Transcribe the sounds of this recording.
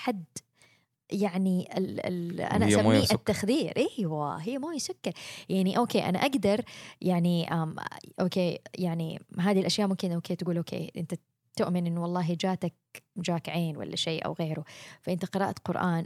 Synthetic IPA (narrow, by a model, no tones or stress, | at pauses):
ħad̪ | jaʕniɪlɪ̰lʔa̰naʔasammːiːat̪ːaxðiːɾʔahwa̰ɦɪjːamuːjasakːɪɾjaʕniʔoːkeːʔa̰na̰ʔaɡd̪ɑɾˤjaʕniʔaːmʔoːkeːjaʕnḭɦaːðilʔaʃjaːʔmʊmkɪnʔoːkeːt̪ɪɡuːlʔoːkʰḛːʔɪ̰nt̪a | t̪ʊʔmɪnʔɪnːwɑlˤːɑːɦid͡ʒaːt̪ak̚ | md͡ʒaːkʕeːnwa̰lːa̰ʃeːʔa̰wɣeːɾʊfaʔɪnt̪aqɨɾɑ̰ːʔat̪qʊɾʔaːn